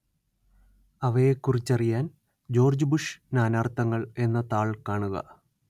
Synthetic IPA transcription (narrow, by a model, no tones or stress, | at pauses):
ɐʋɐjekːurit͡ɕːɐrijaːn | d͡ʑo̞ːrd͡ʑbuʂnaːnaːrt̪ɐŋːɐɭe̞nːɐt̪aːɭkaːɳuɣɐ̰